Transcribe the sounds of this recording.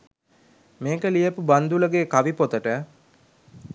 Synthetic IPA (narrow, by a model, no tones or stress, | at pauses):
meːkəlijəpuband̪uləɡeːkaʋipot̪əʈə